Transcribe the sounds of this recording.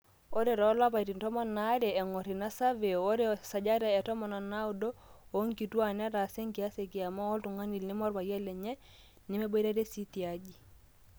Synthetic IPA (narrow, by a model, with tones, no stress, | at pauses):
o˦ɾe˨ɾɔ˦la˦pa˨iti˨ntɔ˦mɔ˦na˦ɾɛ˨ɛ˨ŋɔ˨ɾi˨na˦sa˦ve˨o˦ɾe˦sa˨d͡ʒa˦ɾɛ˨ɛ˨tɔ˦mɔ˨na˨na˦u˦do˦o˦ŋki˨twa˦˨nɛ˦ɾa˨se˦ŋki˨a˦se˨ki˨a˨mɔ˦ɔ˦ltu˨ŋa˦ni˨lnɪ˦mɔ˦ɾba˨jɛ˦lɛ˨ɲɛ˦ | nɪ˦me˦bo˦ɾa˦ɾe˦si˦ti˨a˦d͡ʒi˨